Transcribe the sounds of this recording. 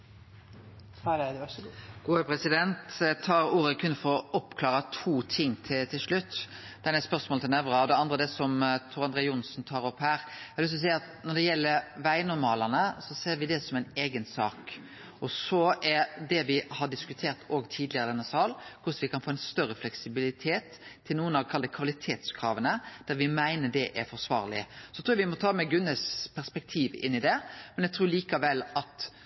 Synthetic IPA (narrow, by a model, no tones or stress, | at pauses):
ɡ̥uːəpɾɛsɪd̪ɛnt̪t̪ʰɑːɾuːɾəkʰʉnːfɔɾɔʔɔpkʰlɑːʁət̪ʰuːt̪ʰɪŋːt̪ʰɪt̪ʰɪlʂɭʉt̪ː | d̪̥ɛnɛspœʁsmoːlt̪ʰɛnɛʋɾəɑd̪ɛɑnd̪ɾəd̪ɛsɔmt̪ʰʊːɾɑnd̪ɾeːʊnsnt̪ʰɑːɾɔphæːɾæɪlʏst̪ːɔs̬æɪɑt̪nɔɖ̪ɛjɛlːəɾʋæɪnʊɾmɑːləʁnəsɔseːɾʋɪd̪ɛsɔmæɪneːɡənsɑːk | ɔsɔʔɛɾd̪ɛʋɪhɑɖɪskʉt̪ʰeːɾt̪ʰoːɡt̪ʰiːd̪lɪəɾəd̪ɛnːəsɑːlkʰʊʂʋɪkʰɑnfoːɛnst̪œɾːəflɛksɪbɪlɪt̪ʰeːt̪ʰː | ɪlnuːənɑʋkʰɑld̪əkʰʋɑlɪt̪ʰeːt̪skʰɾɑːʋənəd̪̥æɾʋɪmæɪnəɖɛʔæɾfɔɾsʋɑ̰ːɾlɪ̰sɔt̪ʰuːjɑʋɪmɔt̪ʰɑːmɛɡʉnəspʰæʁspɛk̚t̪ʰiːʋɪ̰nːɪd̪ɛmɛnjɛɡ̚t̪ʰɾuːɾliːkɑʋɛlːɑt̪